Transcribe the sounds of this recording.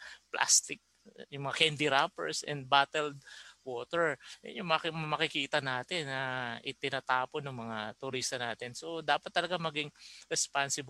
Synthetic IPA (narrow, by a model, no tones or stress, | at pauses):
plʔa̰st̪ɪk̚ | jʊŋmɐŋakɛnd̪ɪɾapɛ̰ɹsɛ̰nd̪̚bat̪ɛld̪woːt̪ɛɹ̰jʊŋmammɐkɪkiːt̪ɐnaːt̪ɪnːɐʔɪt̪ɪnat̪aːponːʊŋmɐŋat̪ʊɾist̪ɐnaːt̪ɪnso̞d̪aːpɐt̪ːɐlɐɡamɐɡɪŋɾɛspansɪb